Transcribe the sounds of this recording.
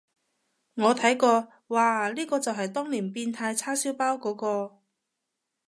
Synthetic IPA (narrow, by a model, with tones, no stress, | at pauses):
ŋɔː˨˧t̪ʰɐ˨˥jkɔː˧ | waː˨liː˥kɔː˧t͡sɐ˨wɦɐ˨jt̪ɔː˥ŋliː˨˩npiː˧nt̪ʰaː˧jt͡sʰaː˥siː˨˥wpaː˥wkɔː˨˥kɔː˧